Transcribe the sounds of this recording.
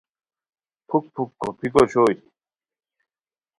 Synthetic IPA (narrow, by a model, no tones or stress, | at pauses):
pʰuk̚pʰukːopʰikot͡ɕʰoːj